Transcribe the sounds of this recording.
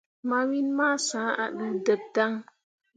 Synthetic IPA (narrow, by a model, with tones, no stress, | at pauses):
ma˨wi˦nmaː˦˨sã˨˦a̰˨ɗə˨də˨b̚da˦ŋ